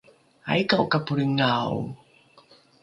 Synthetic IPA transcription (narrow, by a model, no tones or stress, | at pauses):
a̰jkaukapuɾəŋaw